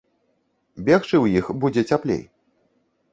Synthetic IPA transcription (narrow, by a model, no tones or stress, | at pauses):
bʲɛxt͡ʂɨwjixbud͡zʲɛt͡sʲaplʲḛj